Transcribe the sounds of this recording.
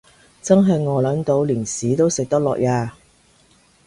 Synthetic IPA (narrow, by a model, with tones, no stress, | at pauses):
t͡sɐ˥ŋɦɐ˨jŋɔː˨˧lɐ˨˥nt̪o˨˧wliː˨˩nsiː˨˥t̪o˥wsɪ˨k̚t̪ɐ˥k̚lɔ̰ː˨k̚jaː˧